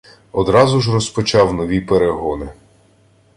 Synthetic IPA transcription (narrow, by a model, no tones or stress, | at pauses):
ɔd̪ɾɑzʊʒrɔspɔt͡ʃɑwnɔʋʲipeɾeɦɔnɪ